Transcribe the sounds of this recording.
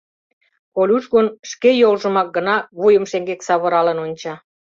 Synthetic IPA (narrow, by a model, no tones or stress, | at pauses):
kolʲuʃɣonʃkejolʒə̆mɑk̚ɡə̆nɑβujə̆mʃeŋɡeksɑβəɾɑlə̆nonʲt͡ɕɑ